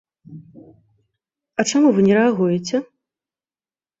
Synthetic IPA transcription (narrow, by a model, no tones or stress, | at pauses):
ɐt͡ʂamuvɨnʲɛɾɛaɣujɛt͡sʲɛ